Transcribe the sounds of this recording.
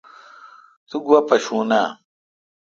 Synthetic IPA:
t̪uɡuwɐpɐɕuːnaː

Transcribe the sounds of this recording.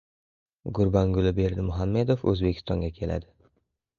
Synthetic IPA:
ɡʊɾbɒŋɡʊlɪbe̞ɾd̪ɪmʊɦamːe̞d̪ofɵ̰zbe̞kʲʰɪ̥st̪ɒŋɡʲakʲʰe̞la̰d̪ɪ

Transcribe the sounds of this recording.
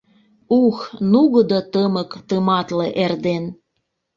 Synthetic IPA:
uxnuɣəd̪ɤt̪əmə̆kt̪əmɑt̪leʔerd̪en

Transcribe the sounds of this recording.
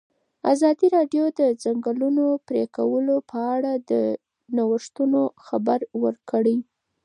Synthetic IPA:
a̰zɑd̪iɾɑɖjod̪əd͡zaŋɡəlunopɾekawəlopʰəaɽad̪ə | nawəʂt̪unoxabaɾwəɾkəɽəj

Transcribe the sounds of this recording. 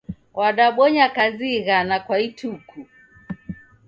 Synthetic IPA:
waɗaɓɔɲakaziɣanakwaitukʰu

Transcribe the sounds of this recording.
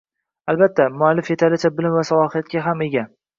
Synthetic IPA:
albat̪ʰːamʊalːɪfje̞t̪ʰalɪt͡ʃʰabɪlɪmvasalˠɒhɪjat̪̚kʲaɦame̞ɡʲa

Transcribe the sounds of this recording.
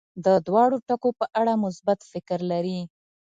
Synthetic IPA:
d̪əd̪wɑɽoʈakopəʔaɽamʊsbat̪fɪkɾlaɾi

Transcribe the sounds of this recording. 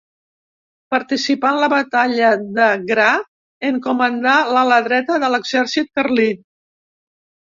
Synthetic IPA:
pəɾt̪isipanləβət̪aʎəðəɣɾa | əŋkumənd̪alələðɾɛt̪əðələɡzɛɾsit̪̚kərli

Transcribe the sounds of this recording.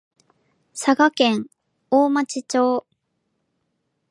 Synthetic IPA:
saɡakẽ̞ŋ | oːmat͡ɕit͡ɕo̞ː

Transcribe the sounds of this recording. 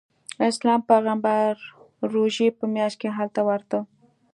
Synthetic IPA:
ɪslɑmpaɣambaɾː | oʒepəmjɑʃt̪̚keɦalt̪awaɾt̪ə

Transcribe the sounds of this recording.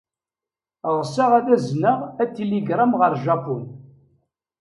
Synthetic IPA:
ʁsaʁæðæznəʁæt̪ːiliɡɾˤamʁəɾˤʒɑpun

